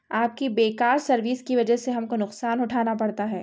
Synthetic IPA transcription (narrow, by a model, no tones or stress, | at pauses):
aːp̚kibeːkaːɾsɐɾʋiːskiʋɐd͡ʒəɦseɦɐmkonʊqsaːnʊʈʰaːnapɐɽt̪aɦɛː